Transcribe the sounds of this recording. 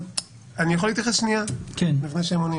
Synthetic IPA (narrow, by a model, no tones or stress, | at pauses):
anijaxolːit̪jaχesʃnijakenlifneʃeemoni